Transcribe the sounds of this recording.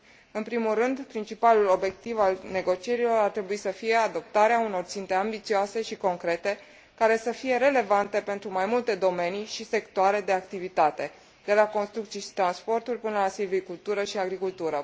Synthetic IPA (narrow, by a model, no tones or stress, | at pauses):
ɨnpɾimulːɨnd̪pɾint͡ʃipalulo̞bje̞k̚t̪ivalne̞ɡo̞t͡ʃie̞ɾilo̞ɾart̪ɾe̞buisəfije̞ad̪o̞p̚t̪aɾeauno̞rt̪sint̪e̞ambit̪sioase̞ʃiko̞ŋkɾe̞t̪e̞ | kaɾe̞səfije̞ɾe̞le̞vant̪e̞pe̞nt̪ɾumajmult̪e̞d̪o̞me̞niʃise̞kt̪oaɾe̞d̪e̞ak̚t̪ivit̪at̪e̞ | d̪̥e̞lako̞nst̪ɾukt̪siʃi̥t̪ɾanspo̞rt̪urʲpɨnəlasilvikult̪uɾəʃiaɡɾikult̪uɾə